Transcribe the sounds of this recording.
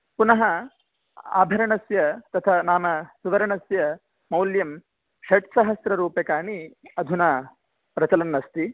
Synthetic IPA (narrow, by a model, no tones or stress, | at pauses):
punɐɦɐ | a̰ːbʱɐɾɐɳɐsjɐt̪ɐt̪ʰɐnaːmɐsuʋɐɾɐɳɐsjɐ | mɐwljɐm | ʃɐʈsɐɦɐsɾɐɾuːpɐkaːɳiɐd̪ʱunaː | pɾɐt͡ʃɐlɐnːɐst̪i